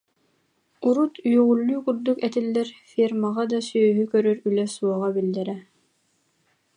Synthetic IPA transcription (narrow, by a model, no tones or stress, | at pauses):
uɾut̪ʰyjœʁulːyːkuɾd̪ukɛt̪ilːɛɾfiɾmaʁad̪asyɦykœɾœɾylɛsuɔʁabild̪ːɛɾɛ